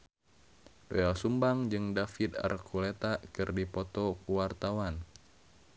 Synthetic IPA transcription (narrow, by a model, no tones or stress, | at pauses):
loɛlsumbaŋd͡ʒɨŋdafit̪a̰rkʰulet̪akɨrdipɔt̪ɔkuwart̪awan